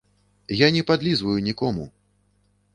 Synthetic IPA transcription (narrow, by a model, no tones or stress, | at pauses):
janʲɛpad̪lʲizvɐjunʲikɔmṵ